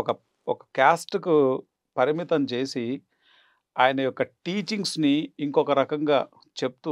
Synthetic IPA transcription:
ɔkɐ | ɔkɐ̥kjaːsʈku | pɐɾimit̪ɐmt͡ʃe̞ːsi | aːjɐnɐjɔkːɐʈiːt͡ʃiŋɡsniːŋkɔkɐɾɐkɐŋɡaː | t͡ʃe̞p̚ut̪u

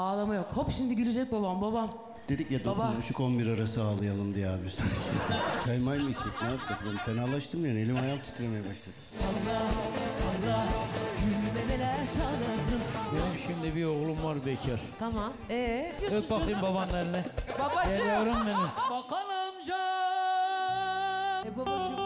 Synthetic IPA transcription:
aːlˠamajokhopʃimd̪iɟylʲyd͡ʒɛc̚baβambabam | d̪̥e̞d̪icjad̪oabaut͡ʃʰuko̞nbiɾaɾasɯaːlˠɯjalˠɯmd̪ijɛaːbiɾsa | t͡ʃʰajmajmɯist̪iknaːsaklamfenalˠaʃt̪ʰɯmd̪anelʲimajamt̪ʰɯ̥t̪ʰɯɾemejɛbaʃlˠad̪ɯ̥ | onɾasonɾad͡ʒylːimenelæɾt͡ʃʰalˠasɯnenimiʃimd̪ɛbio̞ɣlˠumvaɾbɛcʰaɾ̥t̪ʰamamɛøk̚bakʰɯjɯmbabanːaɾnɛbabaelijoɾumbenibakalˠɯmd͡ʒa | baba

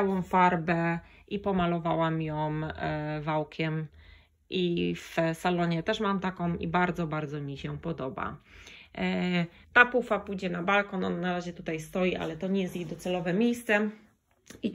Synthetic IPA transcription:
awɔ̃w̃faɾbɛʔipɔmalɔvawamjɔ̃mvawkʲʰɛm | ʔifsalɔɲɛt̪ɛʂmamt̪akɔ̃wḭbaɾd̪zɔbaɾd̪zɔmʲiɕɛpɔd̪ɔba̰ | t̪apufapujd͡ʑɛnabalkɔnɔnanaɾaʑɛt̪ut̪ajst̪ɔjiʔa̰lɛt̪ɔɲɛjɛst̪jejd̪ɔt̪sɛlɔvɛmʲjejst̪sɛ | i

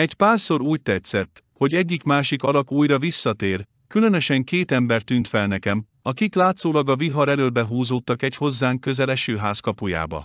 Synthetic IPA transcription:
ɛcpaːrso̞ɾuːc̚t̪ɛt̪sɛt̪ː | ho̞ɟɛɟːikmaːʃikɒlɒkuːjrɒvisːɒt̪eːr | kylø̞nøʃɛŋkeːt̪ɛmbɛrt̪yːnt̪fɛlnɛkɛm | ɒkiklaːt̪soːlɒɡɒviɦɒɾɛløːlbɛɦuːzoːt̪ːɒkɛcho̞zːaːŋkøzɛlɛʃøːɦaːskɒpuja̰ːbɒ̰

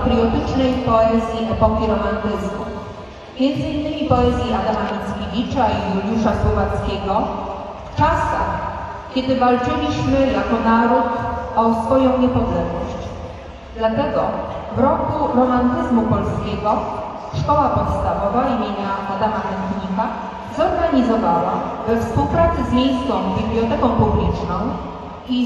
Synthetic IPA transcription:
t̪ɾiɔt̪ɘt͡ʂnɛjpɔɛzʲjiʔɔpɔkʲiɾɔmant̪ɘzmu | mʲjɛnd̪zɘinːɘmʲipɔɛzʲjiad̪amamʲit̪skʲivʲit͡ʂaijud̪juʂaswɔvat̪skʲɛɡɔ | ft͡ʂasa̰x | kʲɛd̪ɘvalt͡ʂɘlʲiɕmɘjakɔnaɾut̪ɔsfɔjɔ̃w̃ɲɛpɔd̪lɛɡnɔ̰ɕt͡ɕ | d̪lat̪ɛɡɔ̰ | vɾɔkuɾɔmant̪ɘzmupɔlskʲɛɡɔ | ʂkɔwapɔt̪st̪avɔvaimʲjeɲaʔːd̪amamɛnt̪ɲika | zɔɾɡaɲizɔvawavɛfspuwpɾat̪sɘzmʲjejst̪sɔ̃w̃bʲiblʲjɔt̪ɛkɔ̃w̃publʲit͡ʂnɔ̃w̃ | i

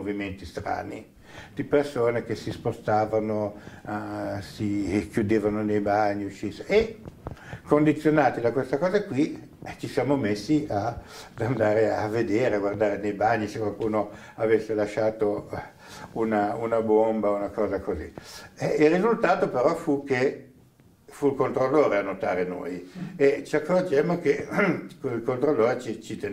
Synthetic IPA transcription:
oviment̪ist̪ɾa̰ːni | d̪̥ipersoːnek̟esispost̪aːvano | sikjud̪eːvanonejbaɲːiut͡ʃːiseʔe | kond̪it̪sːjonaːt̪id̪akwest̪akɔːzakwi | t͡ʃisjaːmomesːiad̪and̪aːɾea̰vːed̪eːɾeaɡward̪aːɾenejbaɲːisekwalkuːno | avesːelaʃːaːt̪o | unaunabombaunakɔːzakoziɛilrːizult̪aːt̪opeɾɔfuke | fuilkont̪ɾolːoːɾeanːot̪a̰ːɾeno̰ːjet͡ʃiakːord͡ʒemːok̟ekilkont̪ɾolːoːɾet͡ʃit͡ʃit̪e

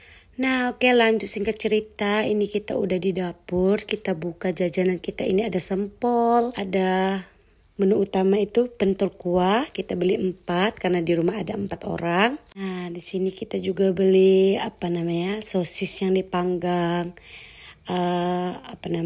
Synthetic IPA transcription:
nahokelaɲd͡ʒʊt̪siŋkat̪̚t͡ʃəɾit̪ainikit̪a̰ṵdahdidapʊrkit̪abukad͡ʒad͡ʒanankit̪ainiadasəmpɔlada | mənuut̪amait̪upənt̪ɔlkuakit̪abəliəmpat̪̚karnadiɾumaɦadaəmpat̪o̰ɾaŋadisinikit̪ad͡ʒuɡabəliapanamaɲasosɪsjaŋdipaŋɡaŋ | əapana

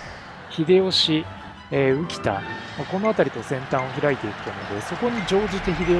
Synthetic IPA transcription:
çid̪e̞o̞ɕi | eːɯ̟kʲi̥t̪a̰mako̞no̞at̪aɾʲit̪o̞sẽ̞nt̪ãɰ̃o̞çiɾait̪e̞ikɯ̥t̪ano̞d̪e̞so̞ko̞ɲ̟id͡ʑo̞ːʑit̪eçid̪e̞

